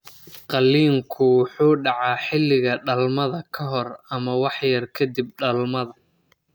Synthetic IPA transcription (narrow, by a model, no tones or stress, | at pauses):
qɑliːŋkʰʊwħuːɖɑʕɑːħɪlːɪɣɐɖɐlmɐðɐkʰɐɦɔrɐmɐwɑħjɐrkʰɐd̪ib̚ɖɐlmɐðɐ